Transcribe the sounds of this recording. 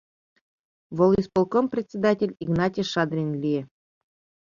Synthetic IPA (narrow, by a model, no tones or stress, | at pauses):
vŏlˠispŏlˠkomprʲet̪ʲt͡sʲed̪atʲelʲiɡnɑtʲiʃɑd̪rʲinlʲije